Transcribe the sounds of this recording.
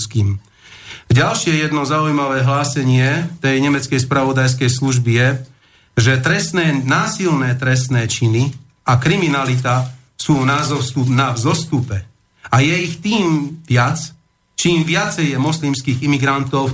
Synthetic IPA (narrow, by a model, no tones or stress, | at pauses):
skiːm | ɟalʃɪɛjɛd̪nɔzaujmaʋɛːɦlaːsɛɲɪɛt̪ɛjɲɛmɛt͡skɛjspɾaʋɔd̪ajs̬kɛjsluʒbijɛ | ʒɛt̪ɾɛst̪nɛːnaːsilnɛːt̪ɾɛs̬t̪nɛːt͡ʃini | akɾiminalit̪a | suːnazɔsunavzɔst̪upɛ | ajɛixt̪iːmʋɪat͡s | t͡ʃiːmʋɪat͡sɛjjɛmɔslimskiːɣimiɡɾant̪ɔʊ